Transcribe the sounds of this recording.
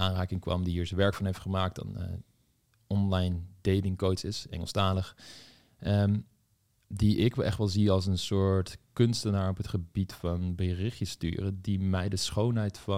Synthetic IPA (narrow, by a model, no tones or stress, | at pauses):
aːnraːkɪŋkʋɑ̰mdiɦiːɹsəʋɛɹkfɑnɦejftχəmaːk̚tɑ̰nə̰ | ɔnlɑjndejlɪŋkowtsɪsɛ̰ŋəlˠstaːləχ | ə | diʔɪkʋɛʔɛ̰χtʋɛlˠziɑlˠs̬ənsʊːɹtkɵnstənaːɹɔpɦətχəbitfɑnbərɪχjəsty̰ːrədimɛjdəsχownɦɛjtfɑ